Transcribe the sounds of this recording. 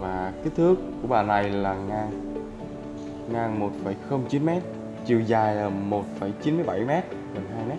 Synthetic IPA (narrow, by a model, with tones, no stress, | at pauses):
vaː˨˩kaː˨˦t̪ʰɨ˦˥əkːu˧˩əɓaː˨˩na˨˩jlaː˨˩ŋaː˧n | ŋaː˧nmo˨˩t̚fə˧˩jxə˧wŋ͡mt͡ɕi˨˦nmɛ˦˥t̚ | t͡ɕi˨˩əwzaː˨˩jəː˨˩mo˨˩t̚fə˧˩jt͡ɕi˨˦nmɨ˧˦jɓa˧˩jmɛ˦˥t̚ | ɣə˨˩nɦaː˧jmɛ˦˥t̚